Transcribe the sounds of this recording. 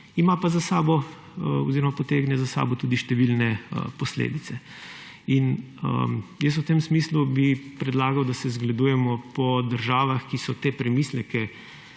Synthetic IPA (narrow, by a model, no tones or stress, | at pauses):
imapazasaːbɔ | o̰ziɾɔmapɔt̪eːɡnɛzasa̰ːbɔt̪uːd̪iʃt̪ɛʋilnɛə̰pɔslḛːd̪it̪sɛ | inə̰jəs̬ut̪emsmiːslubipɾɛd̪laːɡɐwd̪asɛzɡlad̪ujɛmɔpɔd̪əɾʒaːʋaxkisɔt̪eːpɾɛmislɛkɛ